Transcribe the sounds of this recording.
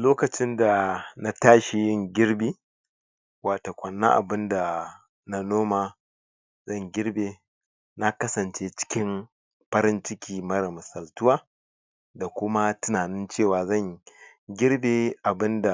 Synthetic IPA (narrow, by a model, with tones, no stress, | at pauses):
loː˦kɐ˨t͡ʃɪ˦nda˨na˦taː˦ʃi˨jɪ˦ŋɡʲɪ˦ɽbiː˦ | waː˨toː˨kʷɐ˨nːa̰˦ʔa̰˨bɪ˦nda˨ | na˦noː˦maː˨ | zɐ˦˨ŋɡʲɪ˦ɽbeː˨ | na˦kɐ˦sɐ˨nt͡ʃeː˦t͡ʃɪ̥˦kʲɪ˦m | ɸɐ˦ɾɪ˦nt͡ʃɪ˦kʲʰiː˨mɐ˦ɾɐ˨mʊ˨sɐ˨ltʊ˦waː˦ | da˨kʷʊ˦ma˦tʊ˦naː˨nɪ˦nt͡ʃeː˦˨waː˨zɐ˦˨ŋ | ɡʲɪ˦ɽbeː˨ʔa˨bɪ˦nda˨